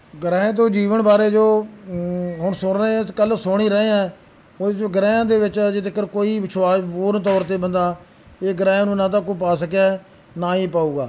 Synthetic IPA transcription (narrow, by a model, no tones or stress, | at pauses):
ɡəɾɛ̃ːt̪̬õːd͡ʒiːʋəɳbaːɾeːd͡ʒoː | ɦʊɳsʊnɾẽkəlsʊɽ̃iːɾəẽːãː | oːded͡ʒoːɡəɾɛ̃ːãːd̪eːʋɪt͡ʃd͡ʒɪt̪ɪkəɾkoːiːbɪt͡ʃʰwaːsboːɾt̪ɔːɾt̪eːbənd̪aː | eːɡəɾɛ̃ːnũːnãːt̪̬ãːk̬op̬aːsəkjaː | naːiːpaːuːɡaː